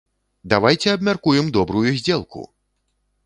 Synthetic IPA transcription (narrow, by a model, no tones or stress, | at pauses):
d̪avajt͡sʲɛɐbmʲarkujɛmd̪ɔbɾujuzʲd͡zʲɛlˠkṵ